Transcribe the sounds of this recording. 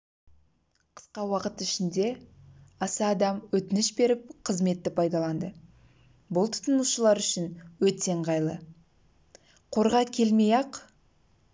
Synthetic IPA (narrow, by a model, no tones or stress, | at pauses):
qʰə̥sqɑwɑqət̪ɪʃɪnd̪e̞ɑsɑːd̪ɑmwɵt̪ɪnɪʃbe̞ɾɪp̚qʰəzme̞t̪ːɪpʰɑjd̪ɑlˠɑnd̪ə | bʊlˠt̪ʰʊ̥t̪ənmuʃəlˠɑɾʏʃɪnwɵt̪eɴʁɑjlˠə | qʰo̞ɾʁɑkʲʰe̞lme̞jɑq